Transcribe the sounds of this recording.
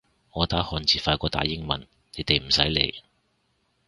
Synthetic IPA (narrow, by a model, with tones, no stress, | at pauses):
ŋɔː˨˧t̪aː˨˥hɔː˨˩nt͡siː˨faː˧kʷɔː˧t̪a̰ː˨˧jɪ˥ŋmɐ̰˨n | ne˨˥jt̪e˨jm̩˨˩sɐ˨˥jlḛ˨˧j